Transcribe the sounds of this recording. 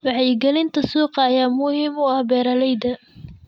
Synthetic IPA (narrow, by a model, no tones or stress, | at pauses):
wɑħjɪɡɛlɪnt̪ʰɐsuːqɑːjaːmʊhiːmʊɐhbɛːɾɐlɛjd̪ɐ